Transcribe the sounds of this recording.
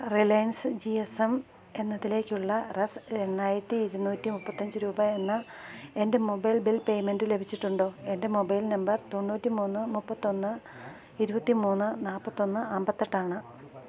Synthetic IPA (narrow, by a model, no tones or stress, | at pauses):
rilɐjnsd͡ʑiesem | e̞nːɐðile̞ːkʲːuɭːɐresɾe̞ɳːaːjiɾɐt̪ːiiɾunːuːtːimupːɐt̪ːɐɲd͡ʑɨɾuːbɐenːɐe̞nde̞mobɐjlbilpe̞jme̞nɖɨle̞bʱit͡ɕːiʈːuɳɖo̞ːe̞nde̞mo̞bɐjlnɐmbɐrt̪o̞ɳːuːtːimuːnːɨmupːɐt̪ːo̞nːɨ | iɾubɐt̪ːimuːnːɨnaːlpːɐt̪ːo̞nːɨaːmbɐt̪ːeʈːaːɳɨ